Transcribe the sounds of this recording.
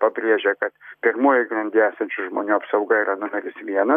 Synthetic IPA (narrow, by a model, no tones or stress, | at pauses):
pɐbʲɾʲiɛʒʲɛkɐt̪pʲɪɾmuɔjɪɡɾɐnʲd̪ʲiæːsɛnʲt͡ʃʲʊʒmoːnʲuːɐpsɐʊɡɐiːɾɐnʊmʲɛɾʲɪsʋʲiɛnɐ